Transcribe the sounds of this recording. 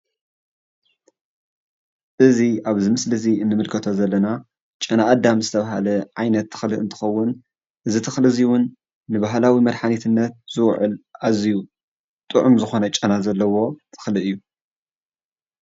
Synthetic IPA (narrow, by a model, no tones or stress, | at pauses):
ʔɨziʔaβzɨmɨslɨziɨnːɨmɨlkʰɐt̪ʰo̞zɐlːɐna | t͡ʃʼɐnaʔːd̪amzɨt̪ʰɐβaɦa̰lɐʕajnɐt̪ʰːɨ̥xlɨɨ̰nt̪ʰɨ̥xɐwːʊn | ʔɨzit̪ʰɨxlɨziwʊnː | ɨbaɦlawimɐɾħanet̪ʰɨnːɐt̪̚z̥ɨwʕʊ̰lʔaziju | t̪ʼɨʕʊmzɨxo̞nɐt͡ʃʼɐnazɐlːɐwo̞t̪ʰɨ̥xlɨɨjːu